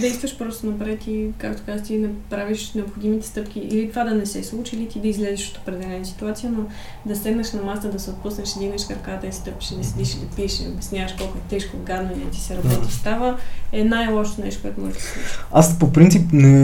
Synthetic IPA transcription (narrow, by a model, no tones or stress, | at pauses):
d̪ɛjst̪vəʃpɾɔst̪onɐpɾɛt̪ikakt̪o̥kazxt̪inɛpɾaviʃnɛopxod̪imit̪ɛ̥st̪ɤpkʲiʔilit̪ovad̪ɐnɛsɛslˠut͡ʃilit̪id̪ɐizlɛziʃo̥t̪o̥pɾɛd̪ɛlɛnəsi̥t̪uat̪sijəno | d̪ɐst̪ɛɡnəʃnɐmast̪əd̪ɐsɛot̪̚pusnəʃid̪imɛʃkəɾkat̪əist̪ɤpi̥ʃid̪ɐsɛd̪iʃid̪ɐpiɛʃio̰bʲɛsnʲavəʃkɔlˠkoɛt̪ɛʃkoɡad̪nəniɛ̰t̪i̥sɛɾɐbɔt̪ist̪avəɛnajlˠɔʃot̪onɛ̰ʃt̪okoɔɛt̪omɔ̰ʒd̪əsuaspopɾint̪sipnɛ